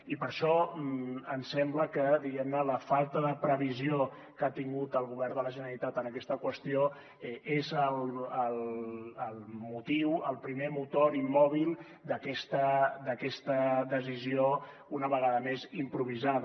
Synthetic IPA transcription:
ipəɾʃɔ | ənsɛmbləkəd̪iɣɛmnələfalˠt̪əðəpɾəβizio | kat̪iŋɡut̪əlˠɣuβɛɾd̪ələʒənəlit̪at̪ənəkɛst̪əkwəst̪io | ɛezəlˠələlˠmut̪iwəlˠpɾimemut̪oɾimːɔβ̞ilˠ | d̪əkɛst̪əd̪əkɛst̪əd̪əzizio | unəβəɣaðəmezimpɾuβ̞izað

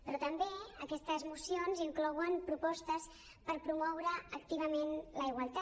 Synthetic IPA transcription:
pɾɔt̪əmbeəkɛst̪əzmusionziŋklɔwəmpɾupɔst̪əs | pəɾpɾumɔwɾəːkt̪iβ̞əmenləiɣwalˠt̪a

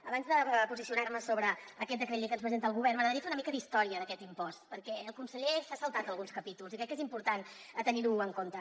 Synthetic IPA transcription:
əβanzðəpuzisiunarməsoβɾəəkɛt̪̚əkɾəʎekənspɾəzent̪əlˠɣuβɛrnməɣɾðəɾiəfeunəmikəðist̪ɔɾiəðəkɛt̪impɔst̪pəɾkɛəlˠkunsəʎesasəlˠt̪at̪əlˠɣunskəpit̪ulˠzikɾɛkːezimpuɾt̪anət̪əniɾuəŋkont̪ə

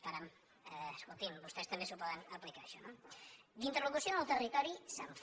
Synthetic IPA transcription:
t̪aɾam | əskolˠt̪inbust̪ɛst̪əmbesupɔðənəplikaəʃɔnod̪int̪ərlukusionəlˠt̪ərit̪ɔɾisəɱf

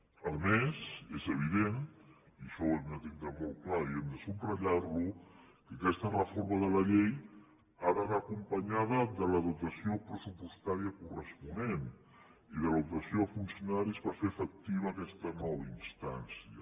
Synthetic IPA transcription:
əlˠmezezəβ̞iðen | iəʃɔɛmd̪ət̪iŋd̪əmɔlˠklaiɛmd̪əsumrəʎarlukəkɛst̪ənβfoɾməðələʎej | aɾaβaːkumpəɲaðəðələðut̪əsiopɾəsupust̪aɾiəkurəspunen | iðəlupt̪əsioəfunsiunaɾizβaɾfefək̚t̪iβ̞əːkɛst̪ənɔβəinst̪ansiə

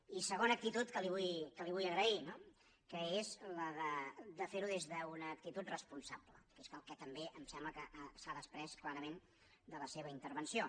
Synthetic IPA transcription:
isəɣ̞onək̚t̪it̪ut̪kəliβujkəliβujəɣɾəino | kəezləðəd̪əfeɾuðezðəunəːk̚t̪it̪ut̪rəspunsaplə̰keskəlˠkɛt̪əmbeʔəmsɛmbləkəʔsaðəspɾɛsklaɾəmen | d̪ələseβəint̪əɾβənsio

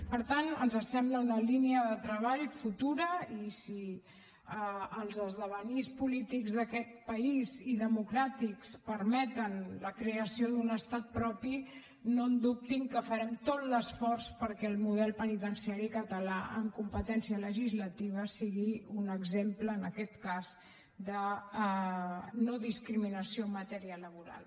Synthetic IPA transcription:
pəɾt̪anənzəsɛmbləunəliniəðət̪ɾəβ̞aʎfut̪uɾəisi | əəlˠzəzðəβənispulit̪iɡzðəkɛt̪̚pəiziðəmukɾat̪ikspəɾmɛt̪ənləkɾeəsiod̪unəst̪at̪̚pɾɔpi | nond̪up̚t̪iŋkəfəɾɛmt̪ot̪ləsfɔrspəɾkɛːlˠmuð̞ɛlˠpənit̪ənsiaɾikət̪əlaʔəŋkumpət̪ɛnsiələʒizlət̪iβ̞əsiɣiunəɡzempləːnəkɛt̪kaz | d̪ə | noðiskɾiminəsiomət̪ɛɾialəβ̞uɾa̰lˠ

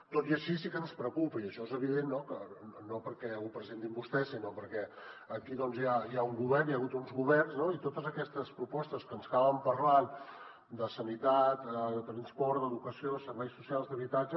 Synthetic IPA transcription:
t̪ot̪iəʃisikənspɾəkupəiəʃɔezəβ̞iðenːokənopəɾkɛupɾəzent̪imbust̪ɛsinopəɾkɛ | əkiðɔnzjajauŋɡuβ̞ɛrnjaːɣut̪unzɣuβɛrnznoit̪ot̪əzəkɛst̪əspɾupɔst̪əskənzəkaβəmpəɾlan | d̪əsənit̪at̪əðət̪ɾənspɔɾd̪əðukəsioðəsəɾβɛjsusialˠzðəβit̪ad͡ʒə

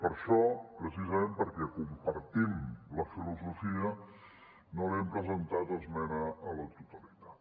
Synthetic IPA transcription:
pəɾʃɔpɾəsizəmempəɾkɛkumpəɾt̪imləfiluzufiə | nolɛmpɾəzənt̪at̪əzmɛnəələt̪ut̪əlit̪at̪

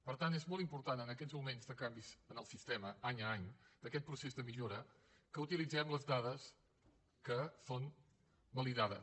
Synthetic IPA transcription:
pəɾt̪anezmɔlˠt̪impuɾt̪anənəkɛzmumenzðəkambizənəlˠsist̪ɛməaɲəaɲd̪əkɛt̪̚pɾusezdðəmiʎoɾə | kəut̪ilid͡zɛmləzðaðəs | kəson | bəliðaðə̰

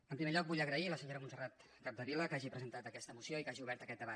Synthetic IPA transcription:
əmpɾimeʎɔk̚buʎəɣɾəiləsəɲoɾəmunsərat̪ | kab̚d̪əβiləkaʒipɾəzənt̪at̪əkɛst̪əmusioikaʒiuβɛɾt̪əkɛt̪d̪əβa

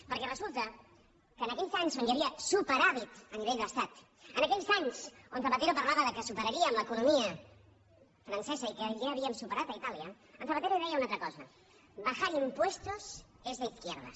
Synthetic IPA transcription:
pəɾkɛrəzulˠt̪ə | kəːnəkɛʎzaɲzonjəβiəsupəɾaβit̪əniβ̞eʎd̪əst̪at̪ | ənəkɛʎzaɲsonθəpat̪eɾopəɾlaβəðəkəsupəɾəɾiəːmləkunumiə | fɾənsɛzəikəʒaːβiəmsupəɾat̪əit̪aliə | ənθəpat̪eɾoiðɛjəunat̪ɾəkɔzə | bəxaɾimpwest̪us | ezðəiθkjɛɾðə̰

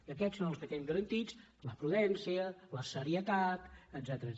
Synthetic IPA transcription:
əkɛtsonəlˠskəkɛmɡəɾənt̪it͡s | ləpɾuðɛnsiələsəɾiət̪at̪əzɛt̪əɾə

